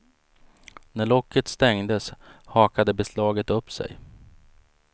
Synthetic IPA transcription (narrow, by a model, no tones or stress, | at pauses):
næɭɔkʰːət̪st̪ɛŋd̪əshɑːkad̪əbɛslɑːɡət̪ɵpːsɛ̰j